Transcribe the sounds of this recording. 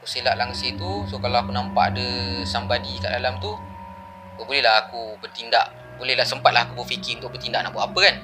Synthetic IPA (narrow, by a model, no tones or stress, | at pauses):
kusilaʔlaŋəseht̪usokalaakunãmpa̰ʔadəsambadika̰ʔdalamt̪u | kabolɛɦlaɦakubərt̪inda̰ʔ | bolɛhlahsəmpat̪̚lahakubəfikɪunt̪ʊʔ̚bərt̪indaʔ̚na̰ʔbuaʔapəkan